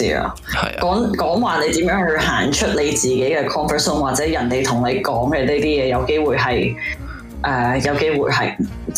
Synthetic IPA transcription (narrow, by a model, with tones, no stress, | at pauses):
ḭː˥ɐ̰˧˨ | kɔː˨˥ŋkɔː˨˥ŋwaː˨ne˨˧jt̪iː˨˥mjœː˨˥ŋhɵ˧ɥɦaː˨˩nt͡ʃʰɵ˥t̚le˨˧jt͡siː˨ke˨˥jkɛː˧kʰɔː˥nfə˨sʊ˥ŋwaː˨t̚t͡sɛː˨˥jɐ˨˩nt̪e˨jt̪ʰʊ˨˩ŋne˨˧kɔː˨˥ŋɡɛ˧liː˥t̪iː˥jɛː˨˧jɐ˨˧wke˥jwuː˨˩jɦɐ˨j | ʔɛː˨˩jɐ˨˧wke˥jwuː˨˩jɦɐ̰˨j